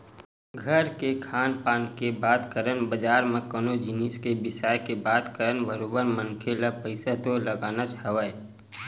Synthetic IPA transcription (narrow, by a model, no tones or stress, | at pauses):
ɡʱəɾkekʰaːnpaːnkebaːd̪kəɾənbəd͡ʒaːɾmẽkənod͡ʒɪniskebɪsaːjkebaːd̪kəɾənbəɾoːbəɾmə̃nkʰelapəɪsat̪olɐɡaːnat͡ʃhɐʋəe